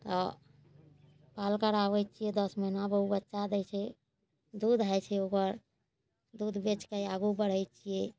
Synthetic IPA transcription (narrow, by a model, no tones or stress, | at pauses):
t̪ɔ | palkəɾaʋəjt͡ʃʰijɛd̪əsməɦinabəubətːʃad̪ɛjt͡ʃʰɛ | d̪ud̪ɦajt͡ʃʰɛokəɾ | d̪ud̪ʱbet͡ʃkəjaɡubəɽ̤əjt͡ʃʰijɛ